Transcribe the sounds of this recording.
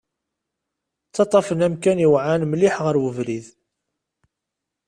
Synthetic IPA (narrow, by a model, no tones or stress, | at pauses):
t͡sːɑt̪ˤːɑfənæmkæniwʕanmliħʁəɾwəvɾið